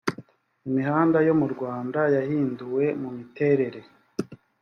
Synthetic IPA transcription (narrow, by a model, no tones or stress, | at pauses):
imiɦaːndajo̞muɾɡwaːndajahiːnduwe̞mumite̞ɾe̞ɾe̞